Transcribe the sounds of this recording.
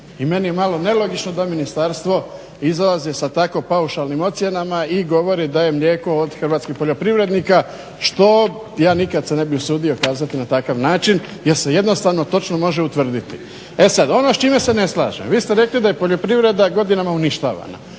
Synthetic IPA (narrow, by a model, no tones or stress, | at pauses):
ime̞nije̞malo̞ne̞lo̞ɡit͡ʃno̞d̪aminist̪aːɾst̪ʋo̞ | izalazisat̪ako̞pauʃalˠnimo̞t̪sje̞namaiɡo̞ʋo̞ɾid̪aje̞mʎʲe̞ːko̞ːd̪xrʋat̪skixpo̞ʎo̞pɾiʋɾe̞d̪nika | ʃt̪o̞ | jaːnikad̪sene̞biusuːd̪io̞kaːzat̪inat̪akaʋnaːt͡ʃin | jeɾse̞je̞d̪no̞st̪aʋno̞t̪o̞t͡ʃnomo̞ʒeut̪ʋr̩d̪it̪i | e̞sad̪o̞no̞st͡ʃiːmese̞ne̞slˠa̰ːʒḛmʋiːst̪eɾe̞klid̪aje̞po̞ʎo̞pɾiʋɾe̞d̪aɡo̞d̪inamauniʃt̪a̰ːʋa̰na̰